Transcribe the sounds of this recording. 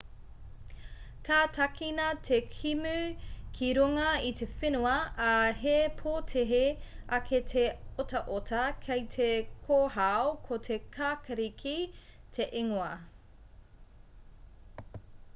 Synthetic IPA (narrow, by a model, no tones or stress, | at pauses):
kʰaːtʰɐkinɐtʰekʰimʉkʰiɾuŋɐitʰefenuɐːɦepʰoːtʰeɦeɐkʰetʰeotɐʔotʰɐkʰejtʰekʰoːɦaokʰotʰekʰaːkɐɾikʰitʰe̞ʔeŋoɐ